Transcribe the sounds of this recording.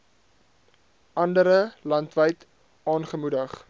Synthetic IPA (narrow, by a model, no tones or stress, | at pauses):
ʔɐndəɾəlɐntvəjt | ʔɑːnχəmudəχ